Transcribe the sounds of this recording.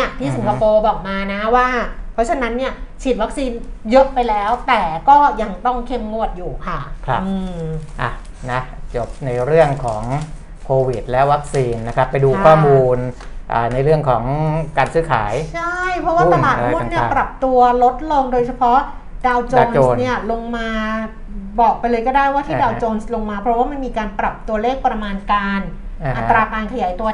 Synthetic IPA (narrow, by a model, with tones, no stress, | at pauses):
i˥˩t̪ʰiː˥˩si˩˦ka˧poː˧bɔː˨˩k̚maː˧na˦˥waː˥˩pʰɾɔ˦˥t͡ɕʰa˧na˦˥nːi˥˩ɐt͡ɕʰi˨˩wa˦˥k̚siː˧njɤ˦˥ʔpa˧jlɛː˦˥wt̪ɛː˨˩kɔː˥˩ja˧ŋt̪ɔ˥˩ŋkʰe˧mːu˧˩ət̪̚juː˨˩kʰa˥˩kʰa˦˥ɯː˧ʔa˨˩ | na˦˥t͡ɕo˨˩p̚na˧jɾɯ˥˩əŋkʰɔː˩˦ŋ | kʰoː˧wi˨˩t̪̚lɛ˦˥wa˦˥k̚siː˧nːa˦˥kʰɾa˦˥pːa˧jduː˧kʰɔː˥˩muː˧n | ʔa̰ː˨˩na˧jɾɯ˥˩əŋkʰɔː˩˦ŋkaː˧nsɯː˦˥kʰa̰ː˩˦jt͡ɕʰa˥˩jpʰɾɔ˦˥wa˧˥˩aː˨˩t̪̚ni˥˩˧pɾa˨˩p̚t̪u˧ɐlo˦˥t̪̚lo˧ŋdoː˧jt͡ɕʰa˧pʰɔ˦˥ | daː˧wt͡ɕoː˧nː˧ni˥˩ɐlo˧ŋmaː˧ | bɔː˨˩k̚pa˧jlɤː˧jkɔː˥˩daː˥˩jwaː˥˩t̪ʰiː˥˧˩daː˧wt͡ɕoː˧nslo˧ŋmaː˧pʰɾɔ˦˥waː˥˩ma˧nmiː˧kaː˧npɾa˨˩p̚t̪u˧ɐleː˥˩k̚pɾa˧maː˧nkaː˧nʔa˧t̪ːɾaː˧kaː˧nkʰa˧jaː˩˦jt̪u˧ɐ